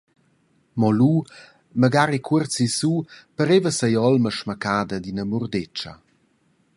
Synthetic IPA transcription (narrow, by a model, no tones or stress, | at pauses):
mɔlu | məɡaɾikʰuərt͡sisupəɾevəsəjɔlməʃməkaːd̪əd̪inəmurdet͡ʃɐ̰